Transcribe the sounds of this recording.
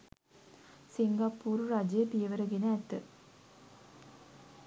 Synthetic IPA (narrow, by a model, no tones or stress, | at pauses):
siŋɡɐpːuːɾuɾad͡ʒepijəʋəɾəɡenəːt̪ːə